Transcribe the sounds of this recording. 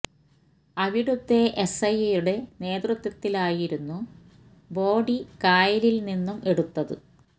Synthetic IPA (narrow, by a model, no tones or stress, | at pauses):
ɐʋiɽut̪ːe̞ʔesɐjejuɽe̞ne̞ːd̪rut̪wɐt̪ːilaːjiɾunːu | bo̞ːɖikaːjɐlilninːume̞ɽut̪ːɐðɨ̰